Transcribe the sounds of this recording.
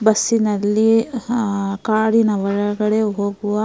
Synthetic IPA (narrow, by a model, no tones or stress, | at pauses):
bɐsːinɐlːi | kaːɽinɐʋɐɭɐɡɐɽeɦoːɡuʋɐ